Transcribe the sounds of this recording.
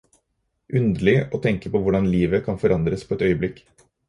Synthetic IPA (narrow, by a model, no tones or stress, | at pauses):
ʔʉnd̪əɭɪʔoːt̪ʰɛŋkəpoʋʊɖɑnliːʋəkʰɑnfɔɾɑnd̪ɾəspʰoːɛt̪œʏəblɪkː